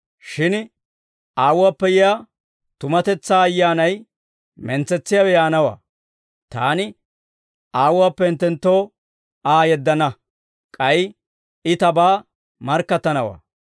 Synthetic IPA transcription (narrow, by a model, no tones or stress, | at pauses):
ʃɪn | aːwʊwaːpːɛjɪjaː | t̪ʊmɐt̪ɛt͡sːaːjːaːnɐj | mɛnt͡sːɛt͡sːɪjawɛjaːnɐwa̰ː | t̪aːnɪ | aːwʊwaːpːɛɪnt̪ːɛnt̪ːo̞ː | aːjɛd̪ːɐnɐ | kʼɐj | ɪt̪ɐbaː | mɐɾkːɐt̪ːɐnɐwa̰ː